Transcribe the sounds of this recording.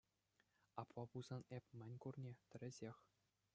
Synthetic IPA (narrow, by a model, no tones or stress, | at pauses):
ɑpʋɑbuz̥ɑnepʲmʲɘ̆nʲkurnʲet̪ʲɘ̆ɾʲɘ̆zʲexʲ